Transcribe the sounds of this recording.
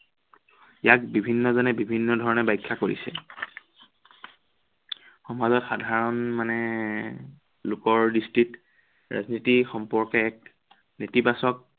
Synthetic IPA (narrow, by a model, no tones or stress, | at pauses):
jak̚bibʱinːɔzɔnɛbibʱinːɔdʱɔɹɔnɛbajkʰːakoɹḭsɛ | xɔmazɔtxadʱaɹɔnmanɛ | lʊkɔɹdistit | ɹa̰znitixɔmpɔɹkɛːk̚ | netibasɔk̚